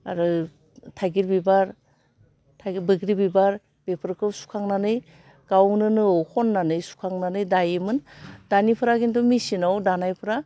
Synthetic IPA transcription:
a̰ɾɯ | tʰajɡiɾbibaɾ | tʰaɡbɯɡɾibibaɾ | b̥epʰɯɾkʰɯsu̥kʰaŋnanɯj | ɡ̥awnɯnɯowkʰɔnːanɯjsu̥kʰaŋnanɯjdajɯmɯnd̥anipʰɯɾaɡintɔmisinawdanajpʰɯɾa

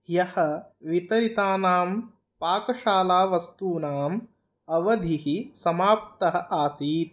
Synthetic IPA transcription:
jɐhɐ̆ʋit̪ɐɾit̪aːnaːm | paːkɐʃaːlaːʋɐst̪uːnaːm | ɐʋɐd̪ʱiɦisɐmaːp̚t̪ɐɦɐ̆ʔaːsiːt̪̚

